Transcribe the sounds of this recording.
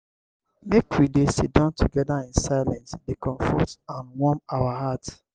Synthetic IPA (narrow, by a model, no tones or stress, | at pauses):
mekwidesidɔ̃ntʰuɡɛdaĩnsaɪlɛ̃nsdekɔ̃ɱfɔtãnwɔmawaɦat